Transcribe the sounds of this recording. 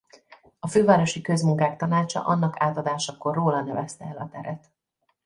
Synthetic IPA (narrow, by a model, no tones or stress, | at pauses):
ɒføːvaːɾo̞ʃikø̞zmuŋkaːkt̪ɒnaːt͡ʃɒ̰ʔɒnːɒkaːt̪ɒd̪aːʃɒko̞rːoːlɒnɛvɛst̪ɛɛlɒt̪ɛɾɛt̪